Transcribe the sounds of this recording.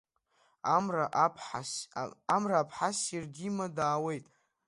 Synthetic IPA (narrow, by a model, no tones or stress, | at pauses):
araʔpʰaamraːpʰħasirdimadaːwe̞jtʼ